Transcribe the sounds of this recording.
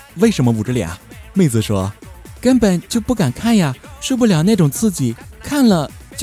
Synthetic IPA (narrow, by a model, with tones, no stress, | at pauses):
we˥˩ɪʂə˧˥nmə˧u˨˩ʈ͡ʂ̩˥˩lja̰˨˩˦me˥˩ɪt͡sɹ̩˨˩ʂwɔ˥kə˥npə˨˩nt͡ɕjo˥˧ʊpu˥˩ka˨˩nkʰa˥˩nja˨˩ʂ̩˥˧p̬u˥˩ljɑ˨˩ʊna˥˩ʈ͡ʂʊ˨˩ŋt͡sʰɹ̩˥˩t͡ɕi˨˩kʰa˥˩nlə˨t͡ɕ